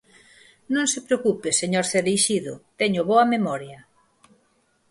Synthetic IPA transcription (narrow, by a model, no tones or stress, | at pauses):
nõŋsepɾeokupeseɲoɾθeɾiʃiðʊt̪ɛɲʊβoɐmemɔɾjɐ